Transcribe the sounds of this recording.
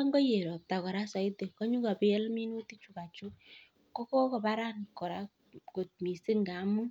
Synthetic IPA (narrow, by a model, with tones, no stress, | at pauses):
a˦ŋɡɔ˦je˨ɾɔ˨p̚ta˨kɔ˨ɾa˦sa˨i˦te˨kɔ˦ɲu˦ka˨pɪ˦ɛ˦lmi˦nu˦ti˦t͡ʃu˨ka˨t͡ʃu˦ | kɔ˦kɔ˦kɔ˨ba˦ɾa˦nkɔ˨ɾa˦ | ko˨t̚mi˨sɪ˦ŋɡa˨˦mu˦